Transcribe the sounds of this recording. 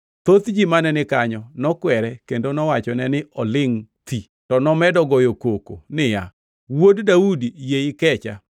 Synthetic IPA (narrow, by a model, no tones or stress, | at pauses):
t̪ot̪d͡ʒimanɛnɪkaɲɔnɔkwɛɾɛkendonɔwat͡ʃɔnɛnɪɔlɪŋt̪i | tɔnɔmɛdɔɡɔjokokonɪja̰ | woddaudijeɪkɛt͡ʃa̰